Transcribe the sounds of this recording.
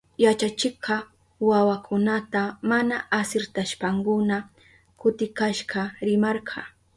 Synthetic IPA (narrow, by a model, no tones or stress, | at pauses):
jat͡ʃat͡ʃɪqɑ | wawakʰʊnat̪amanaasɪɾt̪aʃpaŋkʊna | kʊt̪ɪkaʃɢɑɾɪmɑɾɢʰɑ